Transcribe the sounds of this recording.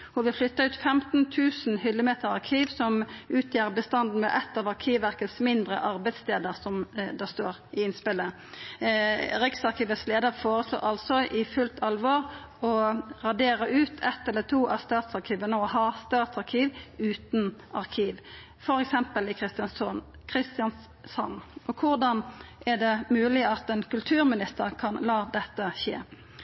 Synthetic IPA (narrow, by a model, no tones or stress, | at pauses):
hʊʋɪlflʏt̪ːəʉːt̪fɛmt̪n̩t̪ʰʉːsn̩hʏlːəmeːt̪əɾɑʁkʰiːʋsɔmʉːt̪ʰjeːʁbəst̪ɑnd̪n̩mɛ̰ʔɛt̪ːɑʋɑʁkʰiːʋʋæʁkəsmɪnd̪ɾə̰ʔɑʁbæɪd̪st̪eːd̪əʁsɔmd̪ɑst̪oːɾɪɪnspɪlə | ɾɪksɑʁkʰiːʋəsleːd̪əʁfoːʁəslo̰ːɾʔɑlsɔʔɪfʉlt̪ʰɑlʋɔːʁ | ɔʁɑd̪eːɾəʉːt̪ʰɛt̪ɛlːət̪ʰuːʔɑst̪ɑːt̪sɑʁkʰiːʋənəɔɦɑːst̪ɑːt̪sɑʁkʰiːʋʉːt̪nɑʁkʰiːʋ | fɔɾɛksɛmpəlɪkʰʁɪst̪ɪɑnsɔn | kʰʁɪst̪jɑns | sɑ̰nːɔkʰʊʁd̪ɑnʔæʁd̪ɛmʉːlɪɑt̪ɛnkʉlt̪ʰʉːɾmɪnɪst̪əʁkʰɑnlɑːd̪ɛt̪ːəʃḛː